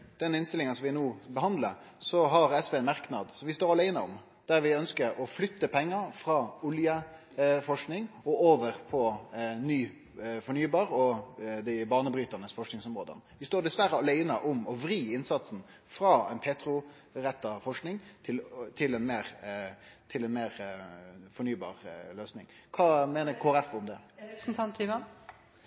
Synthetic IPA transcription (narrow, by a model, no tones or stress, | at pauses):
d̪̥ɛnɪnst̪ɪlɪŋənsɔmʋɪnuːbəɦɑnd̪ləsɔɦɑɾɛsʋeːnmɑɾknɑd̪sɔmʋɪst̪oːɾɑlæɪnəɔ̰m | d̪̥æɾʋɪœnskəɾɔflʏt̪ːəpʰɛŋːəɾfɾɑːʊljə | fɔʂknɪŋɔoːʋəɾpʰɔnyː | fɔɳyːbɑːɾɔd̪æɪbɑːɳəbɾyːt̪ənəsfɔʂknɪŋsɔmɾoːd̪ə̰nʋɪst̪oːɖ̪ɛsʋæɾːəɑleɪnɑʔʊmɔʋɾiːɪnsɑt̪sn̩ | fɾɑːɛ̰npʰeːt̪ɾʊ | ɾɛt̪ːɑfɔʂknɪŋt̪ʰɪlt̪ʰɪlɛnmeːɾ | t̪ʰɪlɛnmeːɾ | fɔɳyːbɑ̰ːʁløːsnɪ̰ŋkʰɑːmeːnəkʰoːæɾɛfʊmd̪ɛn̩t̪ʰɑnt̪ʰinɑ